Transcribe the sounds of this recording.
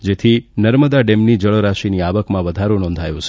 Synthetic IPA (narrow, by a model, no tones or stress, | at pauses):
d͡ʒet̪ʰinəɾməd̪aɖemnid͡ʒəɭəɾaʃiniaʋəkmãʋəd̪ʱaɾonɔ̃nd̪ʱajũt͡ʃʰe